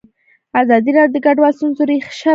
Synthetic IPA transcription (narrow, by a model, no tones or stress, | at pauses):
azɑd̪iɾɑdjod̪əɡaɖwalst̪unzoɾixʃa